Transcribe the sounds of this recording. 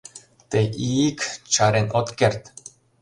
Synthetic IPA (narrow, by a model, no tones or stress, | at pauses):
t̪eʔikt͡ʃaɾenʲʔot̪kert̪